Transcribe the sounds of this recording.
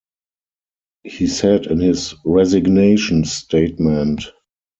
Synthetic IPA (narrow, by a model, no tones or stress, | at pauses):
hiːsɛdɪ̃nhɪsɹɛzɪɡneɪʃə̃nsteɪtmɛ̃nt